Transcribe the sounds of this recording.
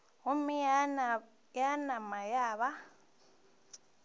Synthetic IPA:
umi | janamajaːβa

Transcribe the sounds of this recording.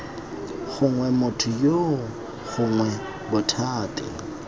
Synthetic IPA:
ɣʊŋwɛmʊtʰʊjo | ɣʊŋwɛ | bʊtʰaːtʼɪ̰

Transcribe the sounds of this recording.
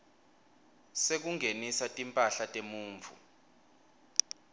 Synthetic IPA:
sek̬uŋenisatʼimpʼaɬatʼemuːɱvṵ

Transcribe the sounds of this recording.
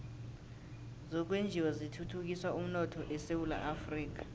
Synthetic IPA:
zɔk̬wend͡ʒʱiwɔzitʰutʰuk̬ʼiswaum̩nɔtʰɔʔɛsewula̰ʔafriːk̬ḁ

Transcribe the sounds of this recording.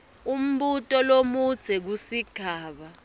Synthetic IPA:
um̩ɓutʼɔlomud̥z̥ʱɛk̬usiɡ̥ʱaːɓa

